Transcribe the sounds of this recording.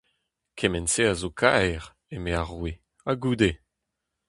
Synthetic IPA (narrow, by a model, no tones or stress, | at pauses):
kʰemɛnseazokʰaɛʁ | emeaʁwe | aɡuːd̪e